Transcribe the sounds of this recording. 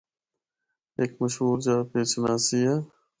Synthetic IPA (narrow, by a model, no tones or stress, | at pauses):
eːkməʃɦuːɾd͡ʒaːpeːt͡ʃnaːsija